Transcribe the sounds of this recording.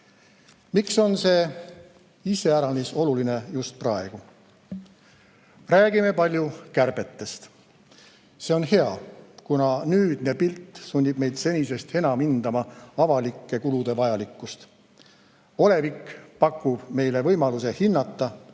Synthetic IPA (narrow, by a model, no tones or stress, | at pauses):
mikso̞nse̞ | ise̞æɾɑniso̞luline̞just̪̚prɑe̞ɡ̥u | ræːɡ̥ime̞pɑlʲjukærb̥e̞t̪ːe̞st̪ | se̞o̞nhe̞ɑkunɑnyːd̪̥ne̞pilt̪ːˑsunʲːib̥̚me̞jd̪̥se̞nʲise̞st̪e̞nɑmind̪̥ɑmɑɑvɑlikːˑe̞kulud̪̥e̞vɑjɑlikːˑust̪ | o̞le̞vikːpɑkːˑub̥me̞jle̞vɤ̞jmɑluse̞hinːɑt̪ːˑɑ